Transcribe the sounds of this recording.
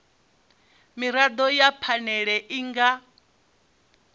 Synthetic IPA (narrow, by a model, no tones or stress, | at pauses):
miɾad̪ɔjapʰanɛɺɛʔiŋɡa